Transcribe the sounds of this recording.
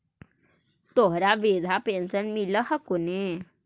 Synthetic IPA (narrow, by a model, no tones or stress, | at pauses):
t̪oɦɾaʋed̪ʱapensənmiləhəkune